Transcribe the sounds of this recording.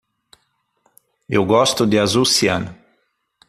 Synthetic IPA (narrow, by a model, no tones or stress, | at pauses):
ewɡɔst̪ʊd̪ɪazusiɐ̰̃n